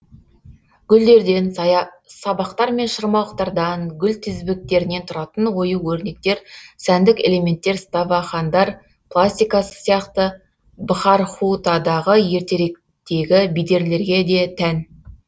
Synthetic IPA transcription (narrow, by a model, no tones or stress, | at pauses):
ɡ̥ʲʏld̪e̞ɾd̪e̞n | sɑbɑqt̪ɑɾme̞nʃəɾmɑlˠəqt̪ɑɾd̪ɑŋɡʲʏlt̪ʰʏzbɪk̚t̪e̞ɾɪne̞t̪ʰʊɾɑt̪ənwo̞juwɵɾne̞k̚t̪e̞ɾsænd̪ɪkʲele̞me̞nt̪ːe̞ɾst̪ɑvɑχɑnd̪ɑɾ | plˠasʲt̪ʲijkɑsə̥sijɑqt̪ə | bəχɑɾχut̪ɑd̪ɑʁəje̞ɾt̪e̞ɾe̞k | t̪e̞ɡʲɪbijd̪e̞ɾle̞ɾɡʲe̞d̪e̞t̪ʰæn